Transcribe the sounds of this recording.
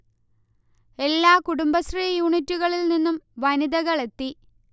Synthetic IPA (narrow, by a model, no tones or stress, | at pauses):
e̞lːaːkuɽumbɐsriːjuːɳitːuɣɐɭilninːumʋɐniðɐɣɐɭe̞t̪ːi